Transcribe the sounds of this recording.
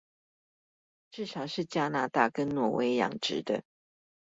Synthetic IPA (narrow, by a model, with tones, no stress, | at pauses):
ʈ͡ʂɻ̩˥˩ʂɑ˨˩ʊʂɻ̩˥˩t͡ɕja˥na˧˥t̪a˥˩kə˦nnwɔ˨˩wʔḛ˧˥ɪjɑ̰˨˩ŋʈ͡ʂɻ̩˧˦d̪ə̰˧˨